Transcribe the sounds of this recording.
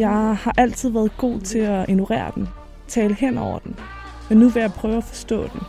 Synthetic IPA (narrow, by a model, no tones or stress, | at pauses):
jɑ̈ɪhɑ̈ʔæl̰t͡sʰið̞̰ˠʋæːɐð̞̩ˠɡ̥o̝̰ːt͡sʰe̝æʔe̝nuʁɛ̰ːɐ̰d̥en | t͡sʰɛːləhen̰ɒʊɐd̥en | menːuʋejɑ̈ɪpʰʁœːʊæfɒ̽sd̥ɔ̰̽ːd̥en